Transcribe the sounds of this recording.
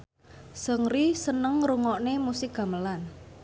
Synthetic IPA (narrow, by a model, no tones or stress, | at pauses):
səŋɾisənəŋɾuŋɔʔnemusɪk̚ɡ̥a̤məlan